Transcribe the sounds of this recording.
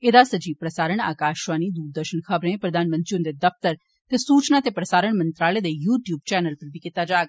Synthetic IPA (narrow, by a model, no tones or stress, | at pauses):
ed̪asɐd͡ʒiːʋpɾɐsaːɾəɽ̃a̰ːkaːʃʋaːnid̪uːɾd̪əɾʃənxʰɐbɾẽpɾɐd̪aːnmə̃nt̪ɾiũnd̪ed̪ɐft̪əɾ | t̪esuːt͡ʃnat̪epɾɐsaːɾəɳ̃mɐ̃nt̪ɾaːləd̪ejuːʈjuːb̚t͡ʃɛːnəlpɐɾbʱikɪt̪ːad͡ʒaːɡa